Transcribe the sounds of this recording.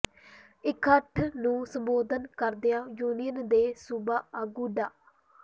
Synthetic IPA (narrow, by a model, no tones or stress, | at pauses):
ɪkʰəʈʰnũːsəmboːd̪ənkəɾd̪ejãːjuːnijənd̪eːsubaːaːɡuːɖaː